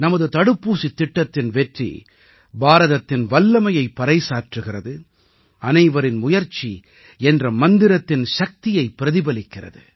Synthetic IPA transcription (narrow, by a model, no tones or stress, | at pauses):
nɐmɐðɯt̪ɐɽɯpːuːsit̪ːɪʈːɐt̪ːɪnʋɛʈrḭ | baːɾɐðɐt̪ːɪnʋɐlːɐmɐjɐɪpːɐɾɐɪsaːɾʈrɯɣɪrɐðɯ | ɐnɐɪʋɐɾɪnmʊjɐɾt͡ʃi | ɛndrɐmɐnd̪ɪɾɐt̪ːɪnʃɐk̚t̪ɪjɐɪpːɪɾɐðɪbɐlɪkːɪrɐ̰ðɯ̰